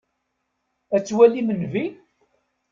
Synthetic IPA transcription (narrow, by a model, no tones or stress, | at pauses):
æt͡sːwælːimənvi